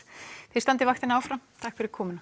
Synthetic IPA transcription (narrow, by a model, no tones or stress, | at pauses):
θest̪ant̪ɪvaxt̪ɪnawfɾamt̪ʰakfɪɾɪɾkʰɔːmɪnḁ